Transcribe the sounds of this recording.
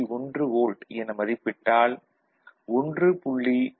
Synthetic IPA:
ɔndrɯɣoːlɖɛnɐmɐðɪpːɪʈːaːl | ɔndrɯpʊɭːi

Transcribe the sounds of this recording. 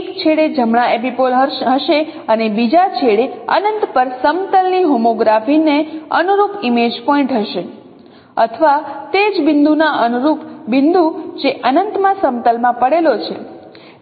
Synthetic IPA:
kt͡ʃʰeɽed͡ʒəmɳaepipolɦəɦəʃeənebid͡ʒat͡ʃʰeɽeə̰nənt̪pəɾsəmt̪əlniɦomoɡɾafineənuɾupimed͡ʒpɔĩɳʈɦəʃe | ət̪ʰəʋat̪ed͡ʒbɪnd̪unaʔənuɾupbɪnd̪ud͡ʒeʔənənt̪mãsəmt̪əlmãpəɽelot͡ʃʰḛ

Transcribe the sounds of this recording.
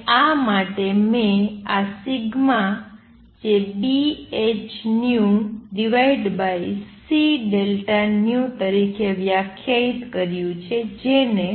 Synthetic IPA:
amaʈemẽasiɡmã | d͡ʒebiet͡ʃnjuɖiʋaiɖbaisiɖelʈanjũt̪əɾikʰeʋjakʰjait̪kəɾjũt͡ʃʰed͡ʒene

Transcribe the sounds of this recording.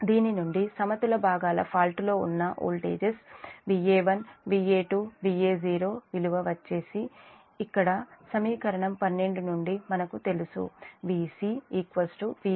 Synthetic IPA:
d̪iːninuɳɖisɐmɐt̪ulɐbʱaːɡaːlɐ̰pʰaːlʈlo̞ːṵnːɐʔo̰ːlʈḛːd͡ʒesʋiːeːʋɐnʋiːeːʈuːʋiːeːziːɾo̞ːʋiluʋɐʋɐt͡ʃːe̞ːsiː | kːɐɽɐsɐmiːkɐɾɐɳɐmpɐnːe̞ɳɖunuɳɖimɐnɐkut̪e̞lusṵʋiːsiːiːkʋɐsʈuʋi

